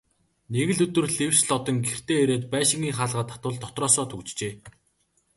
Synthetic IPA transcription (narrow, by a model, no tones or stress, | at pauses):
neɣɘ̆ɮɵt̪ɵ̆rɮewsɮɔt̪ɞ̆ŋɡer̥t̪eːeɾeːt̪̚pæːʃɪ̆ŋiːŋχaːɮʁaːt̪ʰːḁt̪ʊːɮt̪ʰɔt̪rɔːsɔːt̪ʰɵkt͡ɕt͡ɕeː